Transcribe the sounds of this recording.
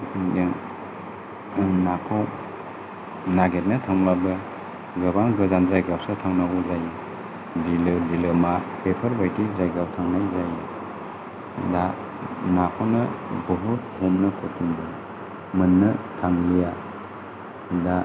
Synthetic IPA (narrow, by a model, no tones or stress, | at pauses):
nakʰaw | naɡet̚natʰɔŋlabɯ | ɡɯbaŋɡɯzanzajɡawsatʰaŋnaɡɔzaj | dilɯdilɯmapepʰɐɾbajtizajɡawtʰaŋnajzaj | da | nakʰawnɯbəɦut̚hɔmnɯkʰɔtʰiŋbɯ | mɯnːɯtʰaŋlija | da